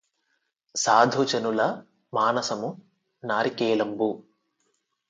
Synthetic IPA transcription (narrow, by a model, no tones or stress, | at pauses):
saːd̪ʱut͡ʃɐnulɐ | maːnɐsɐmu | naːɾikeːlɐmbu